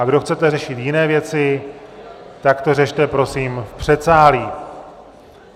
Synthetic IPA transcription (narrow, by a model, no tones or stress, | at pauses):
aɡdo̞xt͡sɛt̪ɛrɛʃɪt̪jɪnɛːvjɛt͡sɪ | t̪akt̪o̞rɛʃt̪ɛpɾo̞siːmfpr̝̥ɛt̪saːliː